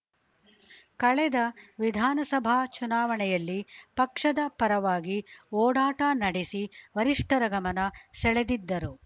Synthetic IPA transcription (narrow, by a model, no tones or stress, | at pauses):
kɐɭɛd̪ɐʋid̪ʱaːnɐsɐbʱaːt͡ʃunaːʋɐɳɛjɐlːipɐkʂɐd̪ɐpɐɾɐʋaːɡiɔːɽaːʈɐnɐɽesiʋɐɾiʂʈɐɾɐɡɐmɐnɐsɛɭed̪id̪ːɐɾu